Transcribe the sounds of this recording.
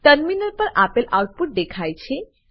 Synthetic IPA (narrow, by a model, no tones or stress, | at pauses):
ʈəɾminəɾpəɾʔapelʔawʈ̚puʈ̚d̪ekʰajt͡ɕʰe